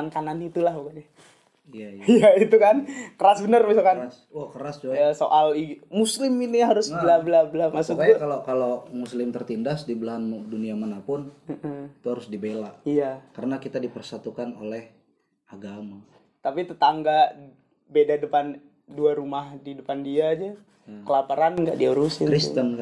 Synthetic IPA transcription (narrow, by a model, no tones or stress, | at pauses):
ankananit̪ulahbukanɛ | iaijait̪ukankəɾasbənərmasakans | akəɾasd͡ʒoasoʔalimuslɪminiɦaɾʊsbəlabəlablamasukkakalokalomuslɪmt̪ərt̪indasdibəlaɦanduniamanapʊnməʔit̪uɦaɾʊsdibelaijakaɾənakit̪adipərsat̪ukanolɛh | aɡama | t̪apit̪ət̪aŋɡaʔ | bedadəpan | duaɾumahdidəpandiad͡ʒɛ | kəlapəɾanŋɡa̰ʔdiaɾusikɾist̪ənk